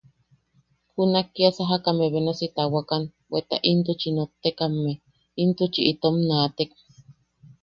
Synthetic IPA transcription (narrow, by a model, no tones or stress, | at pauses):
hunakːiasaɦakameβenasit̪awakan | wet̪a̰ʔint̪̬ut͡ʃinot̪ːekamːe | int̪ut͡ʃiʔit̪omnaːt̪ek̚